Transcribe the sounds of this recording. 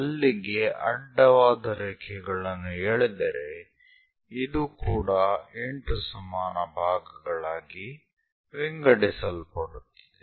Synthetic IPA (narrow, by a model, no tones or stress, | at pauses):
ɐlːiɡe̞ʔɐɖːɐʋaːd̪ɐɾɛːkʰɛɡɐɭɐnːueːɭed̪ɐɾe | id̪uːkuːɽɐeɳʈusɐmaːnɐbʱaːɡɐɡɐɭaːɡi | ʋiŋɡɐɽisɐlpɐɽut̪ːi̥d̪e